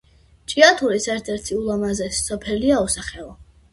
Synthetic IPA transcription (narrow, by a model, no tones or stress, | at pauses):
t͡ʃʼiat̪ʰuɾisɛɾt̪ʰɛɾt̪ʰiulˠamazɛssɔpʰɛliausaχɛlˠɔ